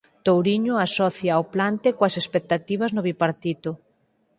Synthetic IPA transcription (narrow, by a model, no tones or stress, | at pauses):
t̪owɾiɲʊasɔθjaːwplant̪ekoɐsespek̚t̪at̪iβ̞ɐznʊβipaɾt̪it̪ʊ